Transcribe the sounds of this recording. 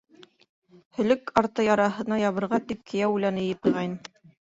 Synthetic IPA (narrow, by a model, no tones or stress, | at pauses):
hɵ̆lɵkɑɾt̪ɤjɑɾɑɦɤ̆nɑjɑβɤ̆ɾʁɑt̪ip̚kʰɘ̆jæwulænɘjɘp̚ɤ̆jʁɑjnɤ